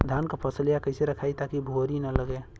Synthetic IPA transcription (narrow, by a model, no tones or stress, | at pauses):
d̪ʱankopʰəsljakəɪseɾəkʰaːit̪akibʱoɦɾinələɡe